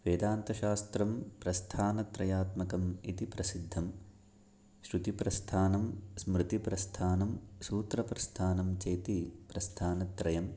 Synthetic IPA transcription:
ʋeːd̪aːnt̪ɐʃaːst̪ɾɐmpɾɐst̪ʰaːnɐt̪ɾɐjaːt̪mɐkɐmḭt̪ipɾɐsid̪ʱːɐm | ʃɾut̪ipɾɐst̪ʰaːnɐmsmɾɨt̪ipɾɐst̪ʰaːnɐmsuːt̪ɾɐpɾɐst̪ʰaːnɐmt͡ʃeːt̪ipɾɐst̪ʰaːnɐt̪ɾɐjɐm

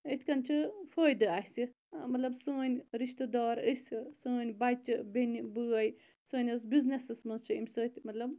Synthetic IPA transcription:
it̪ʰkɐnt͡ʃʰɨfoːjd̪ɨaɦsɨ | mɐt̪lɐbsəːnʲɾiʃt̪ɨd̪aːɾəsɨsəːnʲbat͡ʃɨbʲenʲibɨːɐj | sɨːnʲɐs̬biznesɨsmɐnzt͡ʃʰɨimʲsɨːt̪ʲmɐt̪lɐb

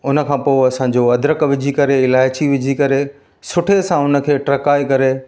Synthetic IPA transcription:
ʊnə̆kʰãːpoːeɐsãɲd͡ʑoɐd̪ɾəkʋɪd͡ʑʱikɐɾeɪlaːɪt͡ɕiʋɪd͡ʑʱikɐɾe | sʊʈʰesãʊnə̆kʰeːʈɾɐkaːikɐɾe

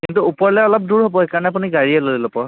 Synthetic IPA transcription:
kintuupɔɹlɛɛɔlɔp̚duɹɦobɔɦekaɹɔnɛap̬uniɡaɹiɛlodilɔpɔɹ

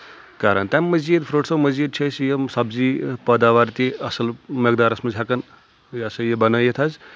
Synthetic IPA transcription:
kaːɾɐ̰nt̪amːɐzid̪pʰɾoʈsɐwmɐzid̪̚t͡ʃʰɐsjesɐbzipɐd̪aːʋaɾt̪iɐsɐlmɐɡ̚d̪aːɾɐsmɐd͡ʒʱakɐn | jɐsɐjebɐnɐjet̪ʰɐz

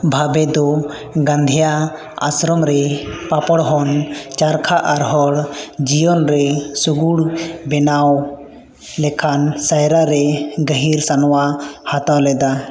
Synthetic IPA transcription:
bʱabɛd̪ɔ | ɡãnd̪ʱija | a̰sɾɔmɾɛpapɔɽɦɔnt͡ʃaɾkʰaʔaɾɦɔɽd͡ʒijɔnɾɛsuɡuɽbɛnaw | lɛkʰansajɾaɾɛɡəɦiɾsanɔwahat̪awlɛd̪a

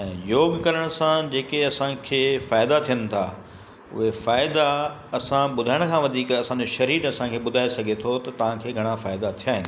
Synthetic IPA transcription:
ɛ̃ːjoːɡkɐɾəɽ̃sãd͡ʑeːkeɐsãkʰeːfaːɪd̪at̪ʰijənɪ̆t̪ʰa̰ | ʊ̰ɦefaːɪd̪a | ɐsãɓʊd̪ʱaːɪɽ̃̆kʰãːʋɐd̪ʱiːkɐsãːɲd͡ʑoʃɐɾiːɾɐsãkʰeːɓʊd̪ʱaːesɐɡʱet̪ʰot̪ɐt̪ɐʋ̤ãkʰeːɡʱɐɽ̃afaːɪd̪at̪ʰijaːɦɪnɪ̆

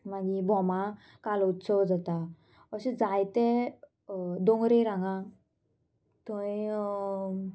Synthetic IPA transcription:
maɡibʱɔmã | kalut̪sɔwd͡zat̪a | əɕed͡zajt̪e | d̪oŋɡɾeɾãŋɡã | t̪ɔi

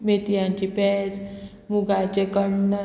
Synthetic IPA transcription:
met̪ijãɲt͡ɕipɛd͡z | muɡat͡ɕekəɳnə

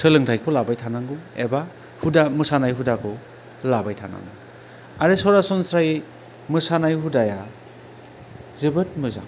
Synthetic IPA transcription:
sɯlɯŋtʰajkʰɔlabajtʰanaŋɡɯḛba | hudamɯsanajɦudakʰɔ | labajtʰana̰ŋɡu | aɾɯsɔɾasɔnsɾaj | mɯsanajɦudaja | zɯbɯt̚mɯza̰ŋ

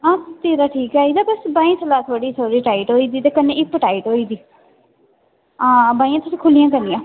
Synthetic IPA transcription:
ãːst̪iːɾaːʈʰiːkaːiːd̪aːbəsbãːĩːsʰəlaːt̪ʰoːɽiːt̪ʰoːɾiːʈaːiːʈɦoːiːd̪iːt̪eːkənẽːʔɪkːʈaːiːʈoːiːd̪iː | ãːbaːĩjãːt̪ʰʊsĩːkʰʊlijãːkənijãː

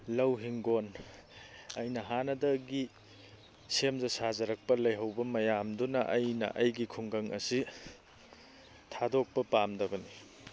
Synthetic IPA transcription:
lɐwɦiŋɡon | ɐjnɐɦanɐdɐɡi | semzɐsazɐɾɐk̚pɐlɐjɦɐwbɐmɐjamdunɐʔɐjnɐ̰ʔɐjɡikʰuŋɡɐŋʔɐ̰si | tʰadok̚pɐpamdɐbɐni

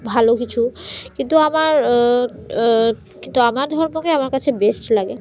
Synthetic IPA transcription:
bʱalokit͡ɕʰukint̪uamaɾ | kint̪uamaɾd̪ʱɔɾmokeamaɾkat͡ɕʰebesʈlaɡe

